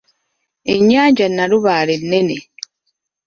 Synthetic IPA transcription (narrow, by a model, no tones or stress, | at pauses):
eɲːaːɲd͡ʒanːaɾuβaːɾenːene